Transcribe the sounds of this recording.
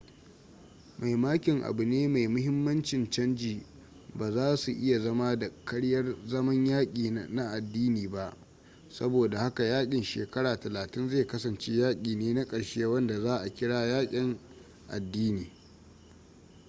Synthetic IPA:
ma˨jmaː˦kʲɪ˨ŋʔa̰˨bʊ˨neː˦ma˨jmʊ˦hɪ˦mːɐ˦nt͡ʃɪ˨nt͡ʃɐ˦nd͡ʒiː˨ | baː˨zaː˦su˨ʔɪ˦ja˨zɐ˦ma˦da˨kɐ˦ɽjɐ˦rzɐ˦mɐ˦ɲjaː˦kʲʼiː˨na˦ʔa˨dːiː˦niː˨ba˦ʔ | sɐ˦boː˨da˨ha˦ka˨jaː˦kʲʼɪ˨nʃḛː˨kɐ˦ɽaː˨tɐ˨laː˨tɪ˦nzeː˦˨kɐ˦sɐ˨nt͡ʃe˦jaː˦kʲʼiː˨neː˦na˦kʼɐ˨ɽʃe˦wɐ˦nda˨zaː˦ʔa˨kʲɪ˦ɽaː˦jaː˦kʲʼɪ˨ŋ | ʔa̰˨dːiː˦niː˨

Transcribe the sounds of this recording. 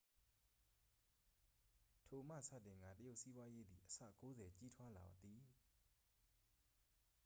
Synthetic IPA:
tʰo˨mä̰˦˨sä̰˦˨tɪ̃˨ŋɡa̰˦˨təjo˦ʊʔsi˦bwa˦je˦d̪ði˨ʔəsä̰˦˨ko˦zɛ˨t͡ɕi˦tʰwa˦la̰˨bt̪ːi˨

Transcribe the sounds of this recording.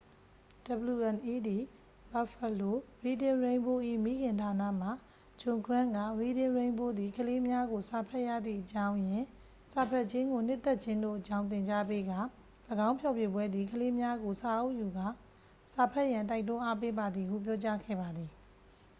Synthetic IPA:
d̥ə˨bəlu˨ʔɛ̃˨nʔi˦d̪i˨ | ba˨fə˨lo˦˨ɹi˨dɪ̃˨ɹẽ˨ɪ̃mbo˦ʔḭ˦˨mi˦ɡɪ̃˨ntʰa˨na̰˦˨m̥a˨ | d͡ʑʊ̃˨ŋkʰɹã˦˨ŋɡa̰˦˨ɹi˨dɪ̃˨ɹẽ˨ɪ̃mbo˦d̪ði˨kʰəle˦mja˦ɡo˨sa˨pʰɛ˦ʔja̰˦˨d̪ðḭ˦˨ʔət͡ɕã˦ʊ̃jɪ̃˨ | sa˨pʰɛ˦˨ʔt͡ɕɪ̃˦ŋɡo˨n̥ɪ˦t̪ːɛ˦ʔt͡ɕʰɪ̃˦ndo̰˦˨ʔət͡ɕã˦ʊ̃nt̪̬ɪ̃˨ɲt͡ɕa˦pe˦ɡa˦˨ | ləɡã˦ʊ̃pʰjɔ˦˨pje˦˨bwɛ˦d̪ði˨kʰəle˦mja˦ɡo˨sa˨ʔo˦˨ʔju˨ɡa˦˨ | sa˨pʰɛ˦ʔjã˨nt̬a˦ɪt̬ʊ̃˦ʔa˦pe˦ba˨d̪ði˨hṵ˦˨p̬jɔ˦t͡ɕa˦ɡɛ̰˦˨ba˨d̪ði˨

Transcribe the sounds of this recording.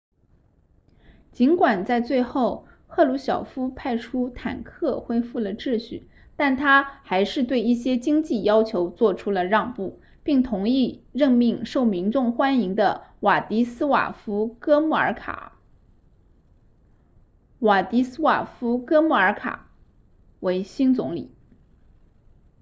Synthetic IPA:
t͡ɕi˧˥nkwa˨˩nt͡sa˥˧ɪt͡swe˥˧ɪxo˥˧ʊ | xʰɤ˥˩lu˧˥ɕjɑ˨˩ʊfu˥pʰa˥˩ɪʈ͡ʂʰu˥t̪ʰa̰˨˩nkʰɤ˥˩xwe˥ɪfu˥˩lə˩ʈ͡ʂɻ̩˥˧ɕy˥˩ | t̪a˥˩nt̪ʰa˥xa˧˥ɪʂɻ̩˥˧t̪̬we˥˧ɪi˥˩ɕ̬jɛ˥t͡ɕi˥ŋt͡ɕi˥˩jɑ˥ʊt͡ɕʰjo˧˥ʊt͡swɔ˥˩ʈ͡ʂʰu˥lə˨ɻɑ˥˧ŋpu˥˩ | pi˥˩ŋt̪ʰʊ˧˥ŋi˥˧ɻə˥˧ŋmi˥˧ŋʂo˥˩ʊmi˧˥nʈ͡ʂʊ˥˩ŋxwa˥ni˧˥ŋd̪ə˧wa˨˩t̪i˧˥sɹ̩˥wa̰˨˩fu˥kɤ˥mu˥˩ə̰˞˧˥kʰa̰˨˩˦ | wa˨˩t̪i˧˥sɹ̩˥wa̰˨˩fu˥kɤ˥mu˥˩ə˞˧˥kʰa̰˨˩˦ | we˧˥ɪɕi˥nt͡sʊ˧˥ŋlḭ˨˩˦

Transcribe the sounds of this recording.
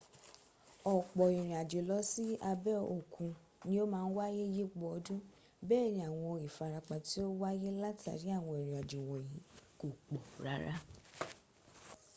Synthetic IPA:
ɔ˨k͡pɔ˨i˨ɾ̃ĩ˨a˨d͡ʒe˨lɔ˨˦si˦a˧bɛ˦o˨kʰũ˧ | nĩ˦o˦mãː˦˧n̩˦wa˦je˦je˦ɡ͡bɔ˧ɔ˧dũ˦ | bɛː˦˨nĩ˧a˨w̃ɔ̃˧i˨fa˧ɾa˧k͡pa˨ti˦o˦wa˦je˦la˦ta̰˨ɾi˨˦a˦˨w̃ɔ̃˧i˨ɾ̃ĩ˨a˨d͡ʒe˨wɔ̃˨jĩ˨˦ko˨k͡pɔ˨ɾa˨˦ɾa˦

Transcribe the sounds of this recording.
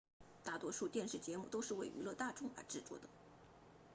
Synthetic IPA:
t̪a˥˩t̪wɔ˥ʂu˥˧t̪jɛ˥˧nʂɻ̩˥˩t͡ɕjɛ˧˥mu˥˩t̪o˥ʊʂɻ̩˥˩we˥˩ɪʔy̰˧˥lɤ˥˧t̪a˥˧˩ʈ͡ʂʊ˥ŋə̰˧˥ʈ͡ʂɻ̩˥˩t͡swɔ̰˥˩d̪ə˩

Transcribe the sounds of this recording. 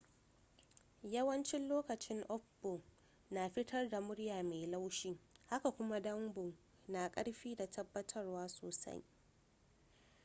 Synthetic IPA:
jɐ˦wɐ˦nt͡ʃɪ˦nloː˦kɐ˨t͡ʃɪ˦ŋʔɔ˦ɸbʊ˨ʔ | na˨ɸɪ˦tʰɐ˦rda˨mʊ˦ɽjaː˨me˨la˦wʃiː˦ha˦ka˨kʷʊ˦ma˦dɐ˦mbʊ˨ | naː˨kʼɐ˦ɽɸiː˦da˨tʰɐ˦bːɐ˦tʰɐ˦rwaː˦soː˨sa̰˦j

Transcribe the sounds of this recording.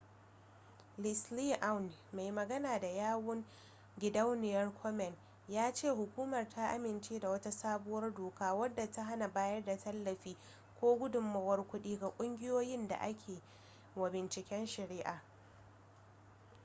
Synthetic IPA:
lɪ˨sli˦ʔa˦wnma˨jmɐ˨ɡɐ˦naː˨da˨jaː˦wʊ˦ŋ | ɡʲɪ˨dɐ˦wnɪ˨jɐ˦rkʰɔ˦mɛ˨n | jaː˦t͡ʃeː˦˨ɦʊ˨kʷuː˦mɐ˨rta˦ʔa̰˦mɪ˨nt͡ʃeː˦da˨wɐ˦ta˦saː˦bʊ˦wɐ˦rdoː˨kaː˦wɐ˦dːa˨ta˦ɦa˦na˨baː˦jɐ˦rda˨tɐ˦lːɐ˨ɸiː˦ | kʷoː˦ɡʷʊ˦dʊ˨mːɐ˨wɐ˦rkʷʊ˦ɗiː˦ɡa˨kʷʼʊ˦ŋɡʲɪ˦joː˦jɪ˦nda̰˨ʔa̰˦kʲʰeː˨ | wɐ˨bɪ˨nt͡ʃɪ˨kʲɛ˦nʃɪ˨ɾɪ˦ʔaː˨

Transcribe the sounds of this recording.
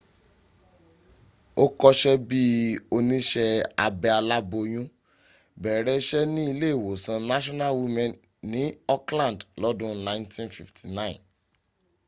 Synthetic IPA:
o˦kɔ˦ʃɛ˦bi˦o˧nĩ˦ʃɛ˧a̰˧bɛ˧a˧la˦bo˧j̃ũ˦ | bɛ˨ɾɛ˨˦ʃɛ˦nĩ˦i˧le˦e˦˨wo˨sã˧na˦ʃɔ˦na˦˨wi˦mɛ̃˨n | nĩ˨˦ɔ˦klã˦˨dlɔ˦dũ˦nã˦ĩ˦ntĩ˦nfi˨ftʰi˨nã˦ĩ˨n

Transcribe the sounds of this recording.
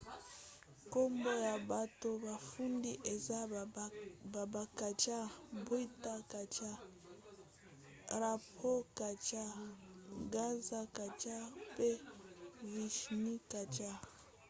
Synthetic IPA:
ko˦mbo˦ja˨ba˨to˦ba˨fu˦ndi˦ʔe˨za˦ | ba˨ba˨ka˨t͡ʃa˦bo˦i˦ta˦ka˨t͡ʃa˦ | ɾa˨pʰo˦ka˨t͡ʃa˦ | ɡa˦nza˦ka˨t͡ʃa˦pe˦ | vi˨ʃni˦ka˨t͡ʃa˦

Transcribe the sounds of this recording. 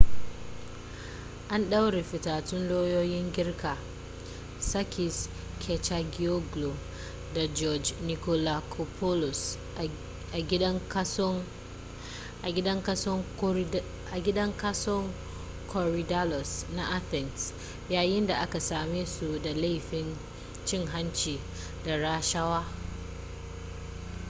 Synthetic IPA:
ʔa˦nɗa˦wɽe˨ɸɪ˨taː˨tʊ˦nloː˦joː˦jɪ˦ŋɡʲɪ˦rkʰaː˨ | sa˦kʰɪ˨s | kʰɛ˨t͡ʃa˦ɡi˦o˦ɡlo˨ | da˨d͡ʒɔ˦d͡ʒni˨ko˦la˨kʰo˨pʰɔ˦lʊ˨s | ʔa˨ɡʲɐ˦ŋ˦ | a˨ɡʲɪ˦dɐ˦ŋkɐ˦sɔ˦ŋ | ʔa˨ɡʲɪ˦dɐ˦ŋka˦sɔ˦ŋ | kʰɔ˨ɾi˨da˦lɔ˨sna˨ʔa˦θɛ˨ns | jaː˦jɪ˦nda˨ʔa˦ka˨saː˨meː˦su˨da˨la˦˨ɸɪ˦n | t͡ʃɪ˦ŋɦa˦nt͡ʃiː˨ | da˨ɾa˦ʃɐ˦waː˦

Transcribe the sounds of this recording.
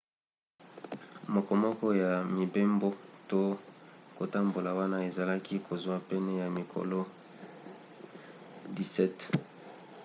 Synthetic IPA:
mo˨kɔ˨mɔ˦kɔ˦ja˨mi˨be˦mbo˦to˦ko˨ta˦mbo˨la˨wa˦na˦e˨za˨la˦ki˦kʰo˨zwa˦pɛ˦nɛ˦ja˨mi˨kʰo̰˨lo˦ | di˨sɛ˦t

